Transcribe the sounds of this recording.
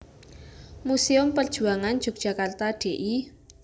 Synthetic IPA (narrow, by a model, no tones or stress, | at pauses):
museʊmpərd̥ʒ̥ṳaŋand͡ʒ̥ʊk̚ʒ̥a̤kart̪aɖ̥eʔi